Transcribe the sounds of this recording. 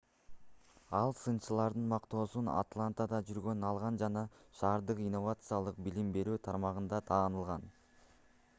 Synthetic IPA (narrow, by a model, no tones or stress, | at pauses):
ɑlˠsɯnt͡ʃɯlˠɑɾd̪ɯnmɑqt̪o̞ːsuna̰t̪lˠant̪ad̪ɑd͡ʒyɾɡø̞nɑlˠʁɑnd͡ʒɑnɑʃɑːɾd̪ɯqinːo̞vat̪sɨjalˠɯq̚bilimbe̞ɾyːt̪ʰɑɾmɑʁɯnd̪ɑt̪ʰɑːnɯlˠʁɑn